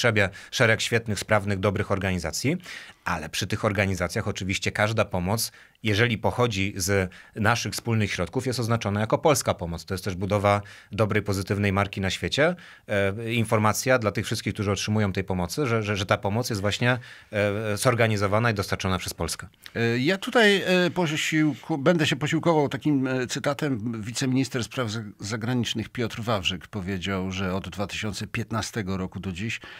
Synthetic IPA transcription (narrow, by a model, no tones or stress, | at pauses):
ʂɛbʲjɛʂɛɾɛkɕfʲjɛt̪nɘxspɾavnɘɣd̪ɔbɾɘxɔɾɡaɲizat̪sʲjiʔalɛpʂɘt̪ɘxɔɾɡaɲizat̪sʲjaxɔt͡ʂɘvʲiɕt͡ɕɛkaʐd̪apɔmɔt̪s | jɛʐɛlʲipɔxɔd͡ʑiznaʂɘxfspulnɘxɕɾɔt̪̚kufjɛst̪ɔznat͡ʂɔnajakɔpɔlskapɔmɔt̪st̪ɔjɛst̪ɛʐbud̪ɔvad̪ɔbɾɛjpɔzɘt̪ɘvnɛjmaɾkʲinaɕfʲjet͡ɕɛ | infɔɾmat̪sʲjad̪lat̪ɘxfʂɘst̪kʲikt̪uʐɘɔtʂɘmujɔ̃w̃t̪ɛjpɔmɔt̪sɘʐɛʐɛʐɛt̪apɔmɔt̪sjɛst̪vwaɕɲɛ | zɔɾɡaɲizɔvanaid̪ɔst̪aɾt͡ʂɔnapʂɛspɔlskɛ | jat̪ut̪ajpɔɕiwkɔbɛnd̪ɛɕɛpɔɕiwkɔvawt̪akʲimt̪sɘt̪at̪ɛmvʲit̪sɛmʲiɲist̪ɛɾspɾavzaɡɾaɲit͡ʂnɘxpʲjɔt̪ɾvavʐɛkpɔvʲjed͡ʑawʐɛɔd̪d̪vat̪ɘ̥ɕɔnt̪sɛpʲjɛt̪nast̪ɛɡɔɾɔkud̪ɔd͡ʑiɕ